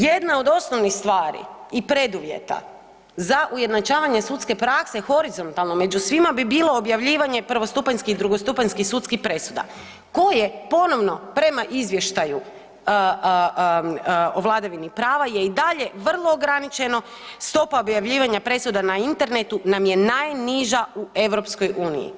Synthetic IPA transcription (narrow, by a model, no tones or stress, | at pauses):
je̞d̪nao̞d̪o̞sno̞ʋnixst̪ʋaːɾḭipɾe̞d̪uʋje̞̰t̪a̰ | zaʔuje̞d̪nat͡ʃaːʋaɲe̞sut̪ske̞pɾakse̞xo̞ɾizo̞nt̪alˠno̞me̞d͡ʒusʋimabibiːlˠo̞ːbjaʋʎiːʋaɲe̞pr̩ʋo̞st̪upaɲskid̪ɾuɡo̞st̪upaɲskisut̪skixpɾe̞sud̪a̰ | ko̞je̞po̞no̞ʋno̞pɾe̞maʔizʋje̞ʃt̪aju | oʋlˠad̪aʋinipɾaːʋaje̞id̪aʎe̞ʋr̩lˠo̞ːɡɾanit͡ʃe̞no̞ | st̪o̞paobjaʋʎiːʋaɲapɾe̞sud̪anaint̪e̞ɾne̞t̪unamje̞najniʒaue̞ʋɾo̞psko̞jʔuːnḭjḭ